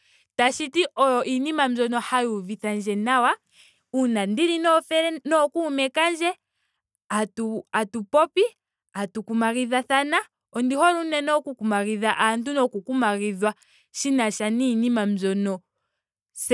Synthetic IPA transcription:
taʃitiʔɔjɔʔinimam̩zɔnɔhajuviθand͡ʒɛnawa | unandiɾinɔfɛɾɛnɔkumɛkand͡ʒɛ | atuatupɔpi | atukumaɣiðaθana | ɔndihɔɾunɛnɔkukumaɣiðaʔantunɔkukumaɣiðwa | ʃinaʃaniːnimam̩zɔnɔ | s

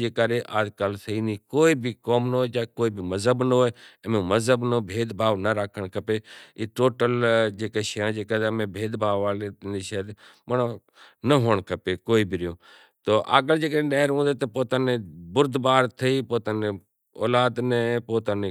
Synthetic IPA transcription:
d͡ʒeːkaːɾeːʔaːd͡ʒkaːlsəiːniːkoːiːbikoːmnoːed͡ʒaːkoːiːbʱiməzɦəbnəoːeːmẽməzɦəbnəbʱeːd̪bʱaːʋnəɾaːkʰəɽ̃kʰəpeːiːʈoːʈəld͡ʒeːkeːʃəjãːd͡ʒeːkad̪əmẽːbʱeːd̪bʱaːʋʋaːlet̪niʃəːt̪mənː | nəɦoːɳ̃kʰəpeːkoːiːbʱiɾɪjõː | t̪oːʔa̰ːɡəld͡ʒeːkəẽːɗəːɾɦũːnd̪eːt̪ɐpoːt̪aːnebʊɾd̪baːɾt̪ʰəiːpoːt̪anẽ | oːlaːd̪neːpoːt̪ane

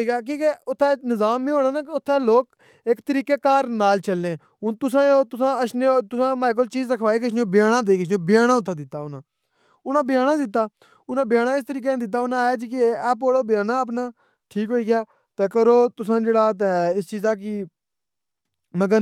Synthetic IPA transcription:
iːkɛːk̬iːkɛːʊt̪ʰːɛːnɪzaːmːĩːɦoːnãːnaːkʊt̪ʰːɛːloːk | ekt̪əɾiːkeːkaːɾnaːlt͡ʃəlːẽː | ʊt̪ʊsãːoːt̪ʊsãːəsnet̪ʊsãːmaːk̬əlt͡ʃiːzɾəkʰʋaːiːk̬əsʰnoːbɪjaːnaːd̪eːkəs̬ʰõːbɪjaːnãːʊt̪ʰːãːd̪ɪt̪ːaːʊnãː | ʊnãːbɪjaːnãːd̪ɪt̪̬ːaː | ʊnãːbɪjaːnãːɪs̬t̪əɾiːk̬ẽd̪ɪt̪̬ːaːʊnãːaːt͡ʃikɪɛːpoːɽoːbɪjaːnãːəp̬naː | ʈʰiːkɦoːiːɡɪjaː | t̪eːkəɾoːt̪ʊsãːd͡ʒeːɽaːt̪̬ɛɪst͡ʃiːzaːk̬iː | məɡəɾ

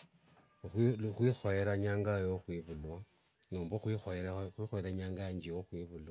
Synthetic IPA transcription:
xwixojeɾaɲaːŋɡajoxwiβulwa | nuːmboxwixoɾaxwiːxoeɾaɲaːŋɡaaɲd͡ʒiwoxwiβulwa

